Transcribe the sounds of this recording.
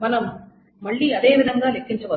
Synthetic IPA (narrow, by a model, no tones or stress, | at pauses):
mɐlɐm | mɐɭːiɐðeːʋɪðɐŋɡaːlɛkːɪɲt͡ʃɐʋɐː